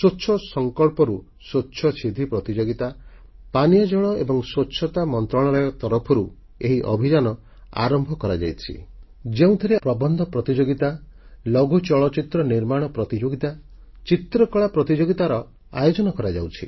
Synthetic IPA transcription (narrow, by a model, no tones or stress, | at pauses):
soːt͡ʃʰɔsɔŋkɔɭpɔɾu | sotːt͡ʃʰɔsʰid̪ʱipɾɔt̪id͡ʒoɡit̪a | panijɔd͡ʒɔɭ̃ɔebɔŋswot͡ʃʃʰɔt̪amɔnt̪ɾɔɭ̃ɔɭajɔt̪ɔɾɔpʰɔɾu | eɦiʔɔ̰bʱid͡ʒanɔ | a̰ɾɔmbʱɔkɔɾad͡ʒa̰jt͡ʃʰḭ | d͡ʒeũt̪ʰiɾepɾɔbɔnd̪ʱɔpɾɔt̪id͡ʒoɡit̪alɔɡut͡ʃɔɭɔt͡ʃit̪ɾɔniɾmaɽ̃ɔpɾɔt̪id͡ʒoɡit̪a | t͡ʃit̪ɾɔkɔɭapɾɔt̪id͡ʒoɡit̪aɾɔ | a̰jod͡ʒɔnɔkɔɾad͡ʒa̰wt͡ʃʰḭ